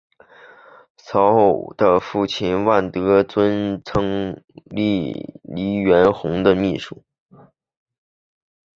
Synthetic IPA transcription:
t͡sʰɑ˧˥ʊxo˥˩ʊd̪̥ə˧fu˥˩t͡ɕʰi˥˩nwa˥˩nt̪ɤ˧˥t͡swə˥nt͡sʰɤ˥ŋli˥˩li˧˥ɥɛ˧˥nxʊ˧˥ŋd̪ə˧mi˥˧ʂu˥˩

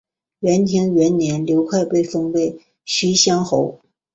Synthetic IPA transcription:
ɥɛ˧˥nt̪ʰi˧˥ŋɥɛ˧˥nnjɛ˧˥nljo˧˥ʊkʰwa˥˧ɪpe˥˩ɪfɤ˥˩ŋpe˥˩ɪ | ɕy˥ɕjɑ˥ŋxo˧˥ʊ

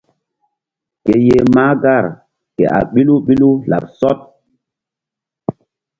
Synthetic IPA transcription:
ke˨je˨maː˦ɡa˦˨ɾ | kḛ˨ʔa̰˨ɓi˦lu˦ɓi˦lu˦la̰˨p̚sɔ˦t̚

